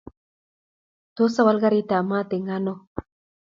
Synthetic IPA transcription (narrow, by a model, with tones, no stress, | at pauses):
t̪o˦sa˦wa˧˦lɣa˦ɾi˦t̪a˨ma˦t̪e˨ŋa˦no˦